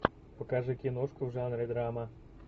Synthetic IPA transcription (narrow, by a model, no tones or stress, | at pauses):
pɔkaʒɛkʲinɔʃkɔwʒanɾɪd̪ɾaɑmɐ